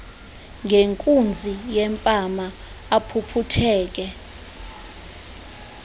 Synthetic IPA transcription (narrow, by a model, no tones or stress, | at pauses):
ŋɡʱeŋkʼund͡zʱijɛmpʼamaː | pʰupʰutʰɛːk̬ʼɛ